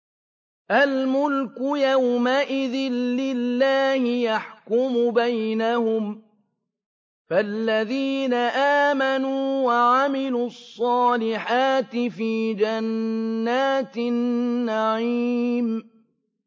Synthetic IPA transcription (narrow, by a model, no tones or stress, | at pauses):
ʔalmʊlkʊjawmaʔɪðɪnːɪlːaːhɪjaħkʊmʊbajnahʊm | falːaðiːnaʔaːmanuːwaʕamɪluːɑsˤːɑːlɪħaːt̪ɪfiːd͡ʒanːaːt̪nːaʕiːm